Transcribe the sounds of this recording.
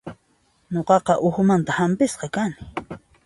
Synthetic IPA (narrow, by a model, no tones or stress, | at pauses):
ɲoqɑqɑʔʊxʊmant̪ahampɪsqɑkanɪ̥